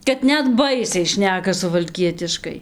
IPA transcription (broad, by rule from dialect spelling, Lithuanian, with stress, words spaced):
kɐt ˈnʲɛt ˈbɐɪsʲɛɪ ˈʃʲnʲæːkɐ sʊʋɐlʲˈkʲiɛtʲɪʃkɐɪ